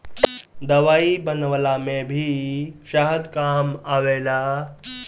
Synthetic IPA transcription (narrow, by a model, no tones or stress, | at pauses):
d̪əʋaibənʋlamẽbʱiːɕaɦəd̪kaːmaʋela